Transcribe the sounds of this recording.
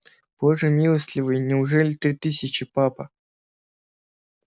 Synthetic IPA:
b̥oʐɨmʲilˠəsʲlʲɪvɨjnʲɪʊʐɛlʲɪt̪ɾʲit̪ɨsʲɪt͡ɕɪpapə̰

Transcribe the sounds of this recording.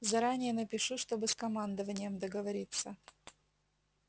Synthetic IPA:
zɐɾanʲɪjənəpʲɪʂuʂt̪o̞bɨskɐmand̪əvənʲɪjəmd̪əɡəvɐɾʲit̪sːə

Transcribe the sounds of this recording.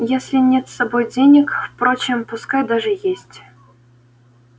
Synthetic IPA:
jesʲlʲinʲet̪ʲsɐbojdʲenʲɪkfpɾot͡ɕɪmpuskajd̪aʐɨjesʲtʲ

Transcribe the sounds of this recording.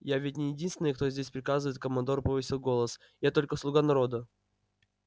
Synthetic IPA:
javʲɪtʲnʲɪjɪdʲinst̪vʲɪnjkt̪o̞zʲdʲesʲpɾʲɪkazɨvəjɪt̪̚kəmɐnd̪o̞rpəvɨsʲɪlˠɡo̞lˠəs | jat̪o̞lʲkəslˠʊɡanɐɾo̞d̪ə

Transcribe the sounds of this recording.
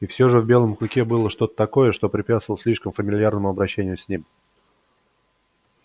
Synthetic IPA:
ifsʲo̞ʐɨvbʲe̞lˠəmklʲɪkʲebɨlˠəʂt̪o̞t̪ə̥t̪ɐko̞jəʂt̪o̞pɾʲɪpʲæt̪svlˠsʲlʲiʂkəmfəmʲɪlʲɪjarnəmʊɐbɾɐɕːenʲɪjʊsʲnʲim

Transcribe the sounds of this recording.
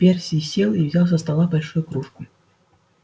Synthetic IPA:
pʲersʲisʲelˠivzʲalˠs̬ɐst̪ɐlˠabɐlʲʂujʊkɾuʂkʊ

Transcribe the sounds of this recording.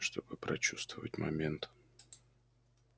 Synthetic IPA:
ʂt̪ʰo̞bɨpɾɐt͡ɕust̪vəvətʲmɐ̰mʲent̪

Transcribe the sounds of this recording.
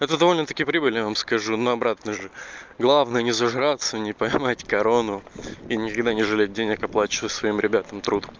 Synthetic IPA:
ɛt̪əd̪ɐvo̞lʲnət̪ɐkʲijəpɾʲibɨlʲjavamskɐʐunoɐbɾat̪nəʐɨɡlˠavnəjənʲɪzɐʐɾat̪sənʲɪpɐjmatʲkɐɾo̞nʊinʲɪkɐɡd̪anʲɪʐɨlʲet̚ʲdʲenʲɪkɐplˠat͡ɕɪvəsvɐimɾʲɪbʲat̪əmt̪ɾud̪

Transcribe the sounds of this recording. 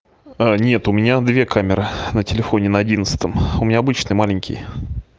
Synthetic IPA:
anʲe̞t̪ʊmʲɪnʲad̪vʲe̞kamʲɪɾɨnətʲɪlʲɪfo̞nʲɪnəɐdʲinət̪sə̥t̪əmʊmʲɪnʲaɐbɨt͡ɕnɨjmalʲɪɲʲkʲɪ̰jə

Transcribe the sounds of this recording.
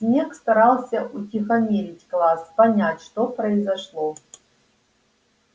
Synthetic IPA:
sʲnʲekst̪ɐɾalˠsʲɐʔutʲixɐmʲelʲɪtʲklˠaspɐnʲætʲʂt̪opɾɐizɐʂlˠo

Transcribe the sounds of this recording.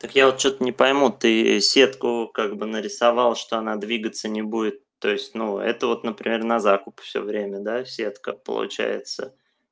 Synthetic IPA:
t̪əkjavot̪̚t͡ɕot̪ənʲɪpɐjmut̪ɨsʲe̞t̪kʊkaɡbɨnəɾʲɪsavɑlˠʂt̪o̞ɐnad̪vʲiɡət̪sənʲɪbudʲɪt̪ːo̞ɪsʲtʲnuɛ̰t̪əvo̞t̪nəpɾʲɪmʲe̞rnɐzakʊpfsʲo̰vɾʲemʲəd̪asʲe̞t̪kəpə̰lˠʊ̰t͡ɕæ̰jɪ̰t̪sə̰

